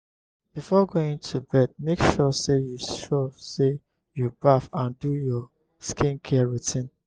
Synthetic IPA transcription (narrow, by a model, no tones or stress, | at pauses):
b̥ifɔɡoĩŋtʰubɛd̚mekʃɔsejuʃɔse | jubafãndujɔ | skʰĩnkʰɛɹitĩn